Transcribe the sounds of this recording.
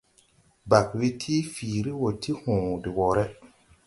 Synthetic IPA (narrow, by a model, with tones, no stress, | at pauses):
ba˨kwe˦tʰiː˦fiː˨ɾi˦wɔ˨tʰi˦hʊ̃ː˨dɪ˨wɔ˨ɾɛ˦